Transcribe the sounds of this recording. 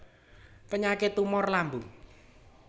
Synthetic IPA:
pəɲakɪt̪umɔrlambuŋ

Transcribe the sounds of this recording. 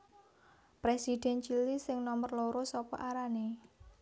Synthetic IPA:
pɾesid̪̥ɛ̤nt͡ʃilisɪŋnɔmərloɾosɔpɔ̰ʔaɾane

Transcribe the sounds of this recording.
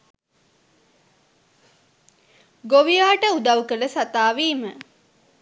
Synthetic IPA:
ɡoʋijaːʈəud̪aʋwkələsat̪aːʋiːmə

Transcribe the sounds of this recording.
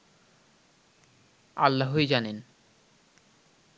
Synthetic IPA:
a̰lːaɦoejd͡ʑanen

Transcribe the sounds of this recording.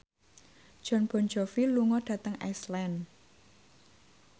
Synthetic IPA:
d̥ʒ̥ɔ̤nb̥ɔ̤nd͡ʒɔfiluŋɔɖ̥ä̤t̪əŋa̰slɛn

